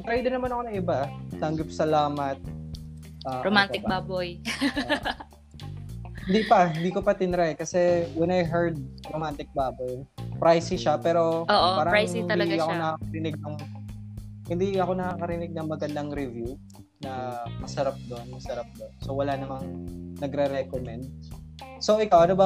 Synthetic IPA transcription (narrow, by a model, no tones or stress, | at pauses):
t̪ɾajd̪ɪnɐmanɐkonɐŋʔɪbat̪ɐŋɡɐp̚sɐlaːmɐt̪̚ | ʔɐːɾomanɪkbaːboj | hɪnd̪ipɐhɪnd̪iːkopɐt̪ɪnɾajkɐsɛwɛnajɦɛɹd̪̚ɾomant̪ɪk̚baːbojpɾajsɪʃɐpɛːɾo̞oːʔopaːɾɐajsɪɪnt̪ɐɐɐkonɐkaːkɐɾɪnɪɡ̚nɐŋ | hɪnd̪iɐko̞nɐkaːkɐɾɪnɪɡ̚nɐŋmɐɡɐnd̪aŋɾɪvju | nɐmɐsɐɾap̚d̪onmɐsɐɾap̚d̪onsowɐlanɐmaŋnɐɡɾɛɾɛkomɛnd̪̚soʔɪkawʔɐnobɐ